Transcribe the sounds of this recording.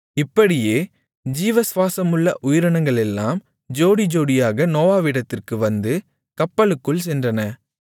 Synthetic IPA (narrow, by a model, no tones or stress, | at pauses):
ɪpːɐɽɪjeː | d͡ʒiːʋɐsʋaːsɐmɯɭːɐʔʊjɪɾɐɳɐŋɡɐɭɛlːaːm | d͡ʒoːɽid͡ʒoːɽɪjaːɣɐnoːʋaːʋiɽɐt̪ːɪrkɯʋɐnd̪ɯ | kɐpːɐɭɯkːɯɭsɛndrɐnɐ